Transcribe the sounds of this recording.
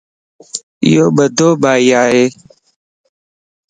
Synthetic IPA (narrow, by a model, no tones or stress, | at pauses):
ɪ̰joːɓəd̪ʱoːɓaːiːaːɦeː